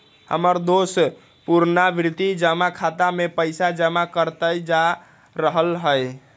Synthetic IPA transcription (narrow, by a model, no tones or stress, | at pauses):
hə̰məɾd̪os | puɾnabɾɪt̪id͡ʒəmakʰat̪amepəɪsad͡ʒəmakəɾt̪əjd͡ʒa | ɾəɦəlɦəj